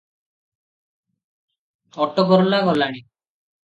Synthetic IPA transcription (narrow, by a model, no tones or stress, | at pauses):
ɔʈːɔkɔɾɔlaɡɔlːaɽ̃i